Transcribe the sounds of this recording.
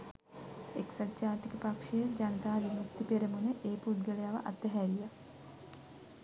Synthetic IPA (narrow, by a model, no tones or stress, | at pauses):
eksad̪d͡ʒaːt̪ikəpakʂejəd͡ʒanət̪aːʋimukt̪ːipeɾəmunəʔeːpuɖ̚ɡələjaʋə̰ʔa̰t̪ːəɦæɾija